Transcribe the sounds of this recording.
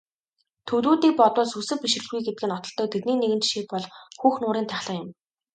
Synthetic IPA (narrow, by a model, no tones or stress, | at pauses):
t̪ʰɵt̪uːt̪iːk̚pɔt̪ʊːɮsɵsɘ̆piʃ̆rɘ̆ɮɣujɡet̪ɘ̥̆ɡɘ̆nɔt̪ɞ̆ɬt̪ɞ̆k̚t̪ʰet̪̚niːneɣɘ̆nt͡ɕʃiːk̚pɔɮxuːxnʊːɾiːnt̪ʰæχɮə̆ŋjʊ̆m